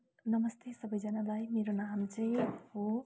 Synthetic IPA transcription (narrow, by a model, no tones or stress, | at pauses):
nʌmʌst̪ʰesʌbʌjd͡zʌnalajmeɾonamt͡sʌĩho